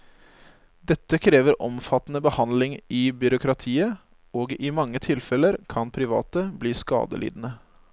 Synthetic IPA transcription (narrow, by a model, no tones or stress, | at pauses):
d̪ɛt̪ːəkʰɾeːʋəɾʔɔmfɑt̪nəbəhɑnd̪lɪŋɪbʏɾʊkʰɾɑt̪ʰiːə | oːɡɪmɑŋːət̪ʰɪlfɛləɾkʰɑnpʰɾɪʋɑ̰ːt̪əbliːskɑ̰ːd̪ə̰lḭːd̪n̩ə